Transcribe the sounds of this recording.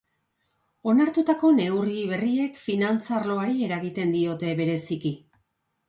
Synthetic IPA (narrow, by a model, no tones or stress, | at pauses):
o̞naɾt̪ut̪ako̞ne̞wriβe̞rie̞kfinant͡sarlo̞aɾie̞ɾaɣit̪e̞nd̪io̞t̪e̞βe̞ɾe̞siki